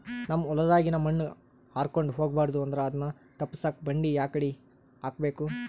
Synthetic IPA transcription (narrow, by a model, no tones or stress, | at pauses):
nɐmːɔlɐd̪aːɡinɐmːɐnː | haːɾkoɳɖɦoːɡbaːɾd̪uɐnd̪ɐɾeɐd̪ɐnːɐ | t̪ɐpːisaːk̚bɐɳɖijaːkɐɽi | aːk̚beːku